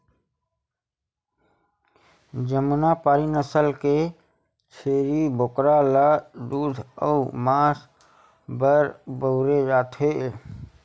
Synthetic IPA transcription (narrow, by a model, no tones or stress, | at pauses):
d͡ʒəmnapaːɾinəsəlke | t͡ʃʰeːɾibʱokɾalad̪uːd̪ʱəumaːs | bəɾbəʊɾed͡ʒaːt̪ʰɦe